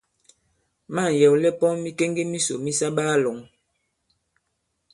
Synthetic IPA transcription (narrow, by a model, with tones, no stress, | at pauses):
ma˦˨jɛ˨wlɛ˦pɔ˦mi˦ke˦ŋɡe˦mi˦so˨mi˦sa˦ɓaː˦lɔ˨ŋ